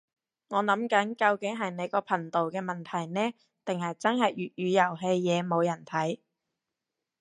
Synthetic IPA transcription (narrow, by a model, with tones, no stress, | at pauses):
ŋɔː˨˧nɐ˨˥mkɐ˨˥nkɐ˧wkɪ˨˥ŋɦɐ˨jne˨˧jkɔː˧pʰɐ˨˩ŋt̪o˨wkɛː˧mɐ˨˩nt̪ʰɐ˨˩jnɛː˥ | t̪ɪ˨ŋhɐ˨jt͡sɐ˥nɦɐ˨jjyː˨˩t̚jyː˨˧jɐ˨˩wɦe˧jːɛː˨˧mo˨˧wjɐ˨˩nt̪ʰɐ˨˥j